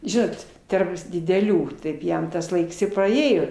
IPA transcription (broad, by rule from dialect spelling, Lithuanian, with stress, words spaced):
ˈʒʲɪnoːt ˈtɐrp dʲɪdʲɛˈlʲuː ˈtɐɪp ˈjɛm tɐs ˈlˠɐɪks ɪ pɐˈeːjoː